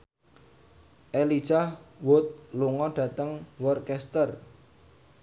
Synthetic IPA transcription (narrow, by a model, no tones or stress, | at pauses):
ʔeli̥ʒ̥ahwʊt̪̚luŋɔɖ̥ä̤t̪əŋwɔrkɛst̪ər